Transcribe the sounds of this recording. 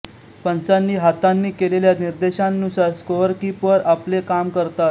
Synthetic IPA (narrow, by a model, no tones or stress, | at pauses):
pənt͡sanːiːɦat̪anːiːkeleljaniɾd̪eɕãnːusaɾskoɾkipəɾaplekamkəɾt̪at̪̚